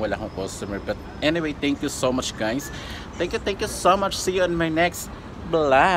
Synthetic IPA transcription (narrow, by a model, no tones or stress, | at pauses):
elʲaɦɐ̃w̃kɔst̪uməɹbɐt̪̚ | ɛniwejt̪ɛ̃ŋkjusomɐt͡ʃɡãj̃s | t̪ɛ̃ŋkjut̪ɛ̃ŋkjusomɐt͡ʃsiɛ̃nmanɛks | bla